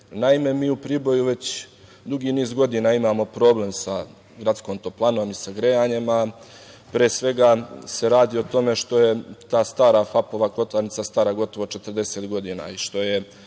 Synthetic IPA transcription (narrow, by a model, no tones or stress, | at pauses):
naime̞miːupɾiːbo̞juʋe̞t͡ɕ | d̪uɡiːniːzɡo̞d̪inaːimaːmo̞pɾo̞ːble̞msa | ɡɾat̪sko̞ːnt̪oplˠanomisaɡɾejaːɲema | pɾeːsʋe̞ɡase̞ɾaːd̪iːot̪o̞me̞ʃt̪o̞je̞t̪aːst̪aːɾafapo̞ʋaklˠo̞t̪laɾnit̪sast̪aːɾaɡo̞t̪o̞ʋo̞t͡ʃe̞t̪əɾd̪e̞se̞t̪ɡo̞d̪iːna̰iʃt̪o̞je̞